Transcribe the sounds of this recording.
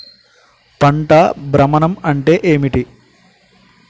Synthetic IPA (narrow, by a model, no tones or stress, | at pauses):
pɐɳʈabɾɐmɐnɐmɐɳʈe̞ːʔeːmiʈi